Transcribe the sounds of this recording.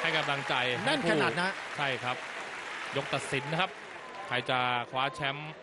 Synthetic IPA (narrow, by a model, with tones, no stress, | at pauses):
ha˥˩jka˧mla˧ŋt͡ɕa˧jna˥˩pʰkaː˧˥˩naː˨˩t̪̚na˦˥t͡ɕʰa˥˩jkʰɾa˦˥p̚jo˦˥k̚t̪a˨˩t̪̚si˨˩˦nːa˦˥kʰa˦˥p̚ | kʰa˧jt͡ɕa˨˩kʰwaː˦˥t͡ɕʰɛ˦˥m